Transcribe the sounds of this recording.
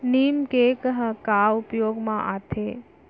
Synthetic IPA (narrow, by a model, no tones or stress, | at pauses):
nimkekɦəkaupjoɡmã̰ʔat̪ʰe